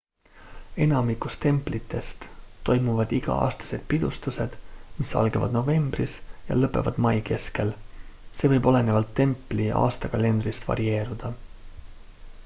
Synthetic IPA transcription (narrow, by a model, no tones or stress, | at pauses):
e̞nɑmikust̪e̞mplit̪ʰːˑe̞st̪t̪ːo̞jmuvɑd̪̥iɡ̥ɑ̰ʔɑ̰ːst̪ɑ̥se̞d̪̥̚pid̪̥ust̪use̞d̪̥misɑ̰lɡevɑ̰d̪no̞ve̞mb̥risjɑ̰lɤpːˑe̞̰vɑd̪̥mɑjke̞ske̞lse̞ːvɤjbo̞le̞ne̞vɑlt̪ːe̞mpːˑliʔɑ̰ːst̪ɑkɑle̞nd̪ɾist̪vɑ̰ɾie̞ːɾud̪̥ɑ